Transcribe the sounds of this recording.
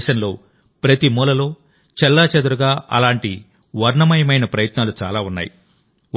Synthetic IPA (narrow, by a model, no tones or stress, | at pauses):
ʃɐnlo̞ː | pɾɐt̪imuːlɐlo̞ː | t͡ʃɛlːaːt͡ʃɐd̪uɾuɡaːɐ̰laːɳʈi | ʋɐɾɳɐmɐjɐmɐjnɐpɾɐjɐt̪naːlut͡ʃa̰ːlaːunːa̰ːji